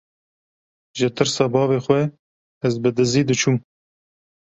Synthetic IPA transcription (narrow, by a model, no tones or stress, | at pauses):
ʒət̪ʰɨɾsɑːbɑːveːxwʷɛ | ɛzbɨd̪ɨziːd̪ɨt͡ʃʰum